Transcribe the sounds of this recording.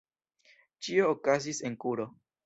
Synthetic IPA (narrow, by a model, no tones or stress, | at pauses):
t͡ʃio̞ːkazise̞nkuɾo̞